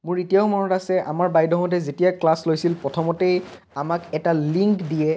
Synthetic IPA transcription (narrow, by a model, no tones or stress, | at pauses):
mʊɹetijaʊmɔnɔtasɛʔa̰maɹbajdɔŋɔtɛzetijaklaslojsilpɹɔtʰɔmɔtej | amakɛtaliŋkdijɛ